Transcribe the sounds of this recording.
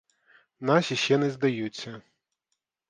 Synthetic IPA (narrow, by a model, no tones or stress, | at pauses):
nasʲiɕʲɛnɨzʲd̪ajut͡sʲːɐ